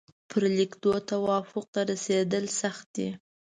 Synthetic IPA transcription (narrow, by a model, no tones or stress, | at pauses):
pʰəɾlikd̪ot̪awɑfʊq̚t̪aɾased̪əlsaxt̪̚d̪i